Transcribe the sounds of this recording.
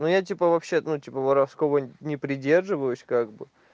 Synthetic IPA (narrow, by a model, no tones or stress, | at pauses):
nujat̬ʲipəvɐpɕːenutʲipəvɐɾafskovənʲɪpɾʲɪdʲe̞rʐɨvəjʊsʲkaɡbɨ